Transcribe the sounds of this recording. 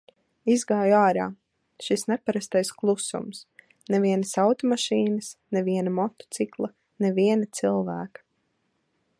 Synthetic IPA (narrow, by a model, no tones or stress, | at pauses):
izɡaːjuaːɾaː | ʃisnɛpaɾast̪ajsklˠusṵms | nɛviɛnɐsawt̪ɔmaʃiːnɐsnɛviɛnamɔt̪ɔ̥t̪siklˠɐ | nɛviɛnat̪silˠvæːkḁ